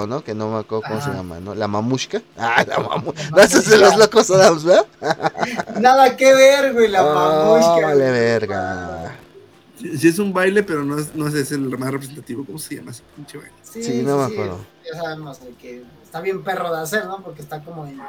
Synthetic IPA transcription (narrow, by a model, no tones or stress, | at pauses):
ono̞kenomeakweɾðokomoseʝa̰ma̰nolamamuʃkaala̰ma̰muɾas̬azelozlokosaðamzβeða | naðakeβeɾɣwejlamamualeβeɾɣa̰a̰ | sisies̬umbajlepe̞ɾonoesnoes̬eselmarep̬ɾesent̪at̪iβokomoseʝa̰masepint͡ʃeβajlessinomeakweɾðo̰ʝasaβemozðekeː | st̪aβje̞mpe̞ro̞ðeaseɾno̞poɾkest̪akomoen